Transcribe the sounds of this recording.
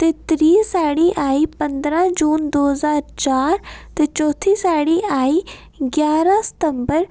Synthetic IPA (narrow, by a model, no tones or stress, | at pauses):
t̪et̪ɾiːsaːɽiʔaːipɐ̃nd̪ɾãd͡ʒuːnd̪oːɦəzaːɾt͡ʃaːɾt̪et͡ʃɔːt̪ʰisaːɽiaːi | ɡjaːɾãsɪ̥t̪ə̃mbəɾ